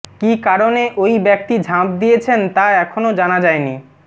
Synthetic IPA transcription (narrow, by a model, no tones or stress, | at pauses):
kikaɾoneʔojbɛk̚t̪id͡ʑʱãp̚d̪ijet͡ɕʰent̪aɛkʰonod͡ʑanad͡ʑaeni